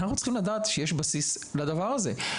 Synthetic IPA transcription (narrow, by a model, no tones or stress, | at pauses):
naχutt͡ssχimlad̪aːt̪ʃejeʃbasislad̪avaʁaze̞